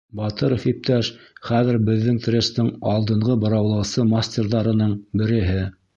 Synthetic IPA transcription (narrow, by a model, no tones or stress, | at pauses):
bɑt̪ɤɾofip̚t̪ʰæʃχæðɘ̆ɾbɘ̆ðːɘŋt̪rʲest̪ɤɴɑlˠd̪ɤ̆ɴʁɤbɤ̆ɾɑwlˠɤ̆wsɤmasʲtʲerðɑɾɤ̆nɤɴbɘ̆ɾɘ̆ɦɘ